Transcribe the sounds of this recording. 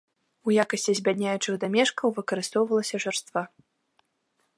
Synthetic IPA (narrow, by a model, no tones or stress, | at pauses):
ujakɐsʲt͡sʲizʲbʲad̪ʲnʲajut͡ʂɨɣd̪amʲɛʂkɐwvɨkɐɾɨst̪ɔwvɐlˠɐsʲɐʐɛrst̪va